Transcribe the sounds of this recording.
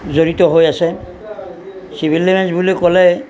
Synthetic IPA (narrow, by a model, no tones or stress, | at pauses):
zoɹitɔɦojasɛ | sibʱilːemɛnsbulekɔlɛ